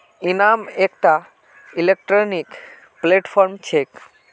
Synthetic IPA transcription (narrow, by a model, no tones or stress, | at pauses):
inamekʈa | ilek̚ʈɾonik | pleʈpʰɔɾmt͡ʃʰek